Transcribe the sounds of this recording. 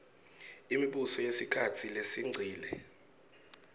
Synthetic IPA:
imiɓusɔjesikʰatʰilesiŋ͡ǀʱiːlɛ

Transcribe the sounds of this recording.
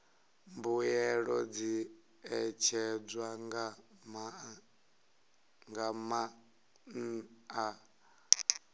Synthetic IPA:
mbujɛɺɔd͡zi | ɛt͡ʃʰɛd͡zwaŋɡama | ŋɡama | n̩a

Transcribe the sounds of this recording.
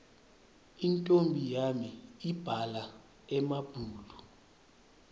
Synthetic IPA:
intʼombʱijamiib̥ʱala | ɛmab̥ʱuːlu

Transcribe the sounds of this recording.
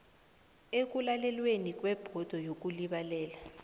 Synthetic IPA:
ek̬ulalɛlwenik̬ʼwɛb̥ʱɔd̥ʱɔjok̬uliɓalɛːla

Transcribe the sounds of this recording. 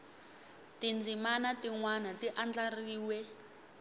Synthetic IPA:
tind͡zimanatiŋwanatiʔand͡ɮariːwɛ

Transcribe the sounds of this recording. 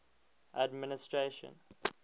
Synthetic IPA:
ʔadmɪnɪstɹeʃə̰̃n

